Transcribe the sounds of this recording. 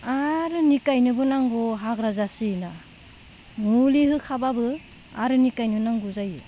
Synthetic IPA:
aɾɯnikajnɯbɯnaŋɡɔɦakɾazasina | nuliɦɯkʰababɯ | a̰ɾɯnikajnɯnaŋɡuzaje

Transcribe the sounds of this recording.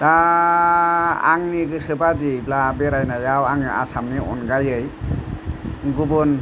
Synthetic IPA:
d̥a | a̰ŋniɡɯsɯbad͡ʒiblabeɾajnajawaŋɯʔa̰samniʔɔ̰nɡajɯj | ɡubun

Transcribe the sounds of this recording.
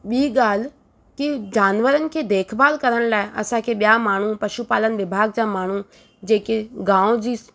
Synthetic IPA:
ɓiːɡal | kɪd͡ʒaːnʋəɾənkʰeːd̪eːkʰbaːlkəɾəɳlaːeʔə̰sãːkeɓjaːmaːɳ̃uːpəʃupaːlənʋɪbʱaːɡd͡ʒãːmaːɳ̃uː | d͡ʒeːkeɡãːõd͡ʒi

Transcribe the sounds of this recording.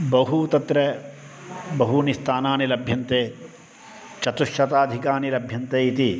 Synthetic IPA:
bɐɦut̪ɐt̪ɾe | bɐɦunist̪ʰaːnaːnilɐbʱjɐnt̪eː | t͡ʃɐt̪uʃːɐt̪aːd̪ʱikaːnilɐbʱjɐnt̪eːit̪i

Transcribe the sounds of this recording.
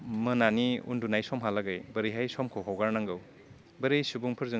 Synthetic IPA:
mɐnaniṵndunajsɔmɦalaɡɯjbɐɾijɦajsɔmkʰowɦawɡaɾnaŋɡɯw | bɐɾejsubuŋpʰɯɾzɯ

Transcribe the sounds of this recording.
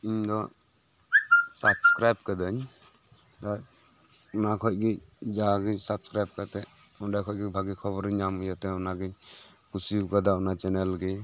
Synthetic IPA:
iɲd̪ɔ | sabskɾajb̚kad̪ɯɲ | d̪a | makʰɔʔ̚ɡid͡ʒaɡɯɲsabskɾajb̚kat̪ɛ | ɔndakʰɔj̚ɡibʱaɡikʰɔβɔɾɯɲamɔjat̪ɛɔnaɡɯɲ | kusikad̪aɔnat͡ʃɛnɛlɡɛ

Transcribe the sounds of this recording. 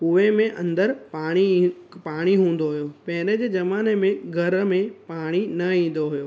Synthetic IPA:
ʊʋemẽʔɐ̰̃nd̪əɾpaːɽ̃ipaːɽ̃iɦũːn̆d̪oɦʊjopɐ̃ɦɪ̃ɾed͡ʑeːd͡ʑɐmaːnemẽɡʱɐɾmẽpaːɽ̃inɐĩːn̆d̪oɦʊjoː

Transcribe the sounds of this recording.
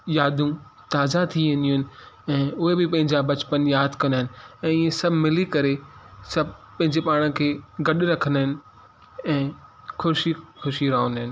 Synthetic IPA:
jaːd̪ũ | t̪aːzat̪ʰiʋẽnd̪iũɦɪnɪ̆ɛ̃ːʊɦebɪpɐ̃ɦɪ̃ɲd͡ʑabɐt͡ɕpənjaːd̪ʱkɐ̃nd̪aɦɪnɪ̆ɛ̃ːɪẽsɐbʱmɪlikɐɾesɐbʱpɐ̃ɦɪ̃ɲd͡ʑepaːɽ̃ə̃kʰeːɡɐɗɾɐkʰənaɦɪnɪ̆ | ɛ̃ː | xʰʊʃixʊʃiɾɐɦnɦɪnɪ̆

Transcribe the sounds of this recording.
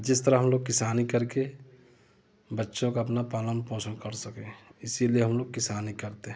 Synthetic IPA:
d͡ʒɪst̪əɾaɦəmloːɡ̚kɪsaːnikəɾke | bətːʃõkaɐpnapaːlənpɔ̃ːsənkəɾsəkẽɪsilijeɦəmloːɡ̚kɪsaːnikəɾt̪eɦ

